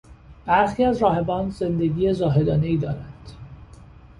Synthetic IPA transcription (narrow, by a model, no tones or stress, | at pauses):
b̥æɾxiːæzɾɒːhe̞bɒːnzend̪e̞ɡiːjezɒːɦe̞d̪ɒːne̞iːd̪ɒːɾænd̪̥